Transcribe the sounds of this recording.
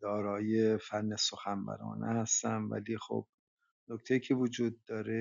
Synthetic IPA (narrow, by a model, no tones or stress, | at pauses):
d̪̥ɒːɾɒːjefænːeso̞xænbæ̰ɾɒ̰ːnʔḛhæst̪ænvæ̰liːxo̰b̥̚ | noct̪ʰejicʰe̞vod͡ʒuːd̪̚ːɒːɾe